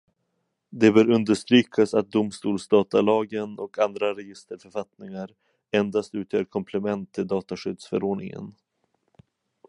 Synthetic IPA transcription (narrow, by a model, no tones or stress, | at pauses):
d̪ɛbœːɾɵnd̪əʂt̪ɾyːkʰasat̪̚d̪ʊmst̪uːlsd̪ɑːt̪alɑːɡənɔkʰand̪ɾaɾɛjɪst̪əɾfœɾfat̪nɪŋaɾ | ɛnd̪ast̪ʉ̟ːt̪ʰjœːɾkʰɔmpʰlɛmɛnt̪ʰːɪld̪ɑːt̪aɧʏd̪sfœɾoːɖɳɪ̰ŋə̰n